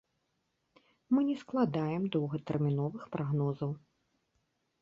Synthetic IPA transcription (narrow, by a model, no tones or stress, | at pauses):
mɨnʲɛsklˠad̪ajɛmd̪ɔwɣɐt̪ɛrmʲinɔvɨxpɾʔaɣnɔzɐw